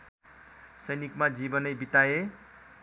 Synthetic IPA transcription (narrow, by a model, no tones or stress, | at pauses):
sʌjnikmad͡zibʌnʌjbit̪aje